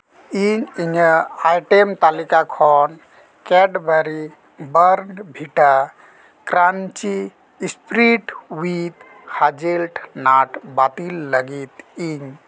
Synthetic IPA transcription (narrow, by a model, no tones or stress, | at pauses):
iɲiɲəajʈemt̪alikakʰɔn | kɛɖbʱəɾi | bəɾɳɖbʱiʈa | kɾant͡ʃiː | spɾiʈwit̪ | had͡ʒelʈnaʈbat̪ilːəɡit̪iɲ